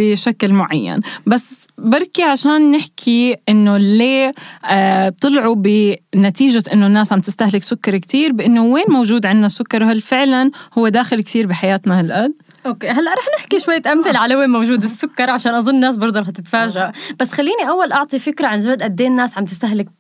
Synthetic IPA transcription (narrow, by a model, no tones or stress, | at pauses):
bɪʃaklmʊʕajːa̰nbasːbɑɾˤkiʕaʃaːnːɪħkʰiʔɪnːoleː | t̪ˤɨlʕubɪnat̪iːʒaʔɪnːonːaːsʕamt̪ɪst̪ahlɪksʊkːɑɾˤkt̪iːɾbʔɪnːoweːnmowʒuːd̪ʕɪnːasːʊkːɑɾˤwhalːfɪʕlanhʊwːed̪aːxɪlk̚t̪iːɾbiħajaːt̪nahalʔad̪̚ | ʔokeːɦalːaʔɾˤɑːħnɪħkiʃwajːt̪ʔamθɪlʕalaweːnmowʒuːd̪sːʊkːɑɾˤʕaʃaːnʔɑzˤʊnːaːs̬bɑɾˤd̪ˤuɾˤɑːħt̪ɪt̪faːʒaʔb̥asːxalːiːniʔawːalʔɑʕt̪ˤifɪkɾaʕand͡ʒad̪ʔad̪ːeːnːaːsʕamt̪ɪst̪aɦlɪk̚